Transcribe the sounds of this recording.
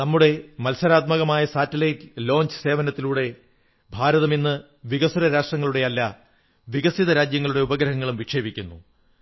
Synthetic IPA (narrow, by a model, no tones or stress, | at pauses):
nɐmːuɽe̞mɐlsɐɾaːt̪̚mɐɣɐmaːjɐsaːtːɐlɐjtlo̞ːɲt͡ɕɨ̥se̞ːʋɐnɐt̪ːiluːɽe̞ | bʱaːɾɐðɐminːɨ | ʋiɣɐsuɾɐɾaːʂʈrɐŋːɐɭuɽe̞ɐlːa | ʋiɣɐsiðɐɾaːd͡ʑjɐŋːɐɭuɽe̞ubɐɡɾɐɦɐŋːɐɭumʋikʂe̞ːbikʲːunːu